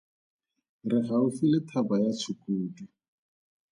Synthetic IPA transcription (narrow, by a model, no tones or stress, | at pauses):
rɪχaʊfilɪtʰabajat͡sʰukuːdi